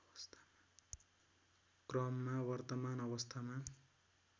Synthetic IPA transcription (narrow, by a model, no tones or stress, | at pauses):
ʌst̪ʰḁma | krʌmːawʌrt̪ʌmanʌβʌst̪ʰama